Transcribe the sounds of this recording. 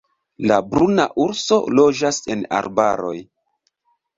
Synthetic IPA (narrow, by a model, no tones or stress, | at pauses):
labɾunaʔuɾso̞̰lo̞d͡ʒase̞na̰ɾba̰ɾo̞̰j